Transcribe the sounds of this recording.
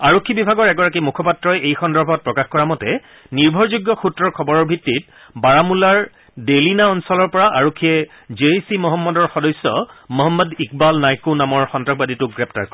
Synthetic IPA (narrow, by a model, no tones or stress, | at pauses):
aɹokʰːibibʱaɡɔɹɛɡɔɹak̬imukʰɔpatɹɔjejxɔndɔɹbʱɔt̚pɹɔkaxkɔɹamɔtɛ | niɹbʱɔɹzuɡjɔxutɹɔɹkʰɔbɔɹɔɹbʱitːit̚ | baɹamulaɹ | delinaɔnsɔlɔɹpɔɹaʔaɹokʰːiɛ | d͡ʒeisimɔɦɔmːɔdɔɹxɔdɔjsːɔmɔɦɔmːɔdik̚balnajkunamɔɹxɔntɹax̚baditʊkɡɹɛp̚ta̰ɹkɔɹɛ